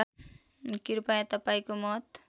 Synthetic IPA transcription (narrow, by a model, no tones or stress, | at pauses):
kiɾpajãt̪ɐpajkomɔt̪